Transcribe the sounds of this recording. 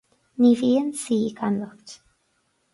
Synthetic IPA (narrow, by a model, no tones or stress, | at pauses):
niviənsiːkʰanlɔkt